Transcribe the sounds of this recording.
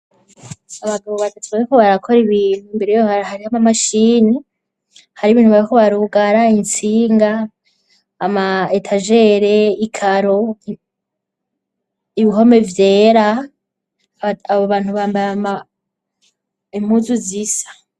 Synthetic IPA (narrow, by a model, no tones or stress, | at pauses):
aβaɡaβoβatʰatʰuaekoβaɾakʰo̞ɾiβiːn̥huimbe̞ɾejohahaɾihamamaʃiːni | haɾiβiːnhuβaɾikoβaɾuɡaɾaint͡siːŋɡaː | maetʰaʒe̞ɾe̞ikʰaɾo̞ | iβiɦo̞me̞vje̞ːɾa | aβoβaːnhuβaːmbajama | im̥huːzuzisḁ